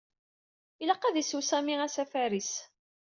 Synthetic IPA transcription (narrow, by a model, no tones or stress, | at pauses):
ilɑqːæðisusæmiæsæfæɾis